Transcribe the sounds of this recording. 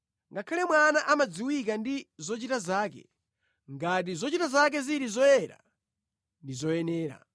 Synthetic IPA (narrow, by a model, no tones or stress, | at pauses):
ŋɡakʰalɛmwanaʔamad͡ziwik̬andizɔt͡ʃitazaːk̬ɛ̰ | ŋɡat̬izɔt͡ʃitazak̬ɛziɾizɔjɛɾa̰ | ndizɔjɛnɛːɾa̰